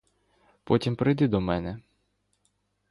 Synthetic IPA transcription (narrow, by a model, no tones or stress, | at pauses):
pɔtʲimpɾɪjd̪ɪd̪ɔmɛnɛ